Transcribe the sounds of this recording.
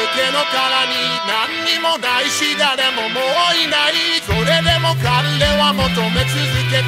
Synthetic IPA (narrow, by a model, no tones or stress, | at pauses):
okenɔkaɾaɲinan̩ɲimonaiʃidadɛmomoinaizoɾedemokan̩dewamot̪omet͡siike